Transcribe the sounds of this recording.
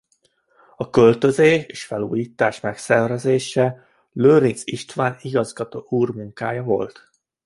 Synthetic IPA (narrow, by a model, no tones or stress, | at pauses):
ɒkø̞lt̪ø̞zeːʃeːʃfɛluːjiːt̪aːʃmɛksɛrvɛzeːʃɛ | løːɾinsiʃt̪ʋaːniɡɒzɡɒt̪oːuːrmuŋkaːjɒvo̞̰lt̪